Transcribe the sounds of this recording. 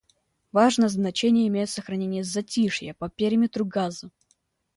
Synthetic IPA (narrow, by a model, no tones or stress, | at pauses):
vaʐnəjəznɐt͡ɕenʲɪjəɪmʲejɪt̪səxɾɐnʲenʲɪjəzɐtʲiʂjəpɐpʲeɾʲɪmʲɪt̪ɾʊɡazə